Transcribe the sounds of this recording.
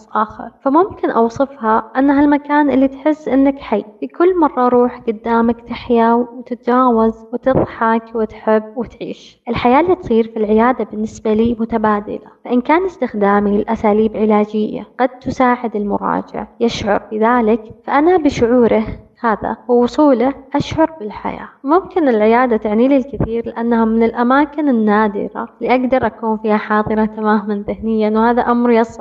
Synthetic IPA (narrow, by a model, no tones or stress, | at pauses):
ʔaːxɪ̰ɾˤfamʊmkɪnʔɑwsˤɨfhaʔanːɦalmakaːnʔɪlːit̪ħɪsːʔɪnːakħajːfikʊlːmɑrˤːɑʔɾˤuːħɡʊd̪ːaːmakt̪ɪħjawwɪt̪ɪt̪d͡ʒaːwazwɪt̪ɨðˤħɑkwɪt̪ħɪbːwɪt̪ʕḭːʃ | ʔɪlħajaːlːiːt̪sˤiːɾfilʕɪjaːd̪abɪnːɪsbaliːmʊt̪abaːd̪ɪ̰la̰faʔɪnkaːnɪst̪ɪxd̪aːmiɪlʔasaːliːbʕɪlaːd͡ʒɪjːa̰ɡ̥ad̪̚t̪ʊsaːʕɪd̪ɪlmʊ̰ɾˤɑ̰ːd͡ʒɪ̰ʕjɪʃʕʊ̰ɾˤbɪðaːlɪkfaʔanabɪʃʊʕuːɾɪhhaːða̰huːʊsˤuːlaʔaʃʕʊɾˤbɪlħa̰ja̰ːmʊmkɪnɪlʕɪjaːd̪at̪ɪʕniːlilkɪθiːɾlɪʔanːahamɪnɪlʔamaːkɪnɪnːaːd̪ɪ̰ɾa̰liʔaɡd̪ɑɾˤʔakuːnfiːhaħɑːðˤɨɾˤɑt̪amaːhmanðɪhnɪjːanwhaːðaʔamɾjɑsˤʕ